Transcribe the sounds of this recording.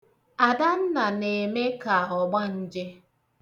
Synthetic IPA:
a˨da˦n̩˦na˨ne˨me˦ka˨ɔ˨ɡ͡ba˦n̩˦d͡ʒe˦

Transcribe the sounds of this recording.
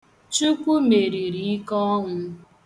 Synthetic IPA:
t͡ʃu˦kʷu˦me˨ɾi˨ɾi˨i˦kɔ˦ŋʊ˦

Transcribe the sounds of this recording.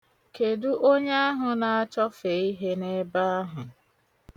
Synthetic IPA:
ke˨du˦ʔo˦ɲe˦a˦ɦʊ˨na˨a˦t͡ʃɔ˦fe˨˦i˦ɦe˦ne˦ba˦a˦ɦʊ˨

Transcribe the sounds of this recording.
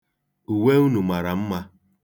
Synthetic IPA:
u˨we˦u˦nu˨ma˨ɾa˨m̩˦ma˦

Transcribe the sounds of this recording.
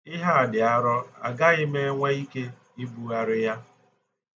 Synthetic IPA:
ɪ˦ɦa˦˨dɪ˨a˦ɾɔ˦a̰˨ɡa˦ɪ˦me˦ŋʷa˦i˦ke˦ | i˦bu˨a˦ɾɪ˦ja˦

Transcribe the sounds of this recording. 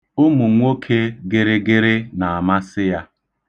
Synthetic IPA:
ʊ˦mu˨ŋʷo˦kʰe˦ɡe˦ɾɪ˦ɡe˦ɾɪ˦na˨a˨ma˦sɪ˦ja˦

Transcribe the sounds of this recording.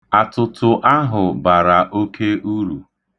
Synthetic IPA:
a˨tʊ˨tʰʊ˨ʔa˦ɦʊ˨ba˨ɾa˨ʔo˦kʰe˦u˦ɾu˨

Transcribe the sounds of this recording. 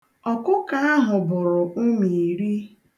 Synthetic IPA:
ɔ˨kʊ˦ka˦a˦ɦʊ˨bʊ˨ɾʊ˨ʊ˦mi˨ɾi˦

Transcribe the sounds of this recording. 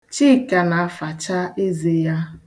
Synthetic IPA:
t͡ʃi˦˨ka˨na˨a˦fa˨t͡ʃa˦e˦ze˨ja˦

